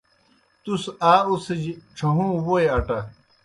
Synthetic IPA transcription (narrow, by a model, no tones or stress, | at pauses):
t̪usaːusid͡ʑiʈ͡ʂʰɐɦũːwoeɐʈɐ